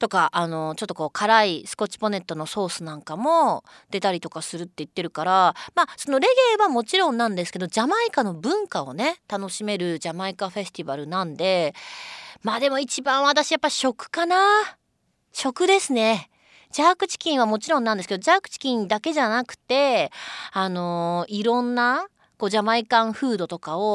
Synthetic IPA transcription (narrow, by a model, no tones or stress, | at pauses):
t̪o̞kaʔːno̞t͡ɕo̞t̪ːoko̞ːkʰaɾaisɨ̥ko̞t͡ɕi̥po̞ne̞t̪ːo̞no̞so̞ːsɨnãŋkamo̞ | d̪̥e̞t̪aɾʲit̪o̞kasɨɾɯ̟t̪ːe̞it̪ːe̞ɾɯ̟kaɾamaːso̞no̞ɾe̞ɡe̞ːβamo̞t͡ɕiɾõ̞nːãnd̪e̞sɨ̥ke̞d̪o̞d͡ʑamaikano̞bɯ̟̃ŋkao̞̰ne̞t̪ano̞ɕime̞ɾɯ̟d͡ʑamaikaɸe̞ɕi̥t̪ibaɾɯ̟nãnd̪e̞ | maːd̪e̞mo̞it͡ɕibãɰ̃βat̪aɕijapːaiɕo̞kɯ̟̥kana | ɕo̞kɯ̟d̪e̞sɨne̞ | d͡ʑaːkɯ̟t͡ɕi̥kʲĩɰ̃amo̞t͡ɕiɾonːãnd̪esɨked̪oʑaːkɯ̟̥t͡ɕi̥kʲĩnd̪ake̞ʑanakɯ̟̥t̪e̞ | ano̞iɾõ̞nːa | ko̞ːʑamaikãɰ̃ɸɯ̟ːd̪o̞t̪o̞kao